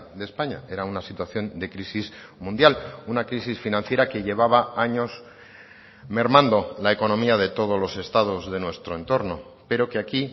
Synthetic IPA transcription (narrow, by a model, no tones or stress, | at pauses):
ðe̞spaɲa̰e̞ɾaunasit̪waθjo̞nd̪e̞kɾisismũnd̪jalunakɾisisfinãnθje̞ɾake̞ʝe̞β̞aβaaɲo̞s | me̞ɾmãnd̪o̞laeko̞nõ̞miaðe̞t̪o̞ð̞o̞zlo̞se̞st̪að̞o̞zðe̞nwe̞st̪ɾo̞ent̪o̞ɾno̞ | pe̞ɾo̞keaki